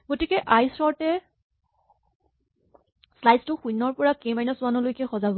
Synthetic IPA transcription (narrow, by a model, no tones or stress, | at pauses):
ɡotikɛʔajsɔɹtɛ | slajztʊxujnːɔɹpɔɹakejmajnɔsʊanɔlojkɛxɔzabɔ